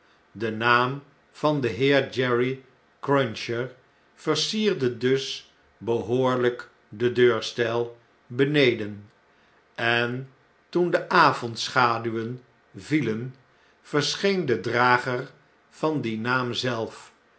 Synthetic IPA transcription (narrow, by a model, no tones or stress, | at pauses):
dənaːm | v̥ɑndəɦɪːɹd͡ʒɛɹi | krɔnʃəɹ | v̥əɹsiːɹdədɵs | bəɦoːɹlək | dədøːɹstɛlˠ | bənejdən | ɛn | tundəʔaːvɔntsχaːdyʋən | vilən | v̥əɹsχejndədraːχər | v̥ɑndinaːmzɛlˠf